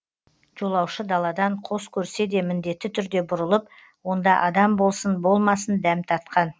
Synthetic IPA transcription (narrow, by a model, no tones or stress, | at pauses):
ʒ̥o̞lˠɑwʃəd̪ɑlˠɑd̪ɑɴqʰo̞skʲʰɵɾse̞d̪e̞mɪnd̪e̞t̪ːɪt̪ʰʏɾd̪e̞bʊɾəlˠəp̚ | wo̞nd̪ɑʔɑd̪ɑmbo̞lˠsənbo̞lˠmɑsənd̪æmt̪ʰɑɾt̪̚qɑn